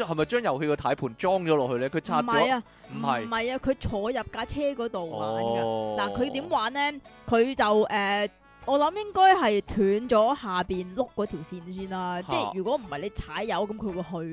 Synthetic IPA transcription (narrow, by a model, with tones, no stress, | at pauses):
hɐ˨mɐ˨jt͡ʃœː˥ŋjɐ˨whe˧kɔ˧t̪ʰaː˨˥jpʰuː˨˩nt͡ʃɔː˥ŋt͡ʃɔː˨˥lɔː˨k̚hɵ˧lɛː˥kʰɵ˨˧t͡sʰaː˥˩˨jaː˧ | mm̩˨˩ɐ˨jhɐ˨jaː˧kʰɵ˨˧ɥt͡ʃʰɔː˨˧jɐ˨p̚kaː˧˥t͡sʰɛː˥kɔː˨˥t̪o˨wa̰ː˨˥ɡɐ˧laː˨˩kʰɵ˨˧ɥt̪iː˨˥mwaː˨˥nɛː˥kʰɵ˨˧ɥt͡sɐ˨wʔɛː˨ | ɔː˨˧lɐ˨˧˥mjɪ˥ŋkɔː˥jɦɐ˨jt̪ʰyː˨˥nt͡ʃɔː˨˥haː˨piː˨nlʊ˥k̚ːɔː˨˥t̪ʰiː˨˩wsiː˧nsiː˥nlaː˧˥t͡sɛː˧˥˩yː˨˩kʷɔː˨˥m̩˨˩hɐ˨jle˨˧jt͡sʰaː˨˥jːɐ˨˥wkɐ˨˥mkʰɵ˨˧wuː˨˧jɦɵ˧ɥ